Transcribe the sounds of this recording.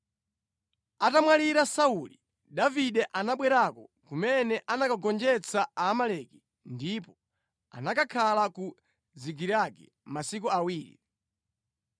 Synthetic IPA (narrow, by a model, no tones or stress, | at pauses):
atamwaliɾasauli | ɗaviɗɛʔanaɓwɛɾakɔ̰kumɛnɛʔanakaɡɔnd͡ʒɛt͡sʰaaːmalɛki | ndipɔ | a̰nakakʰalaku | ziɡiɾakɛ̰ | masik̬uawiːɾḭ